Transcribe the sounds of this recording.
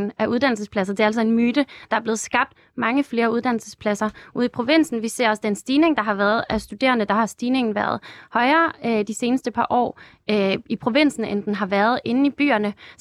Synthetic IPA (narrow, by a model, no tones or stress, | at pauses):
n̩æʔuð̞ˠd̥æn̰l̩səspʰlæs̬ɐd̥e̝ælsɒ̽e̝nmyːd̥əd̥ɑ̈æɐb̥le̝ðˠsɡ̥ɑ̈b̥̚d̥ | mɑ̈ŋəfle̝ːɐuð̞ˠd̥æn̰l̩səspʰlæsɐuð̞̰ˠipʰʁo̝ʋe̝n̰sn̩ʋise̝̰ɐ̰ɒ̽sd̥ensd̥iːne̝ŋd̥ɑ̈ɦɑ̈ʋæɐð̞̩ˠæsd̥ud̥e̝̰ːɐnəd̥ɑ̈hɑ̈sd̥iːne̝ŋn̩ʋæɐð̞ˠhɒ̽ɪɐːd̥ise̝ːnəsd̥əpʰɑ̈ʔɒ̰ː | ipʰʁo̝ʋe̝n̰sn̩end̥enɦɑ̈ʋæɐð̞ˠe̝nn̩ib̥y̰ːɐnə